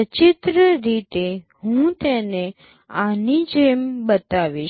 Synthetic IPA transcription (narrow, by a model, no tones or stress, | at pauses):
ət͡ʃit̪ɾəɾit̪e | ɦũt̪ene | anid͡ʒembət̪aʋiʃ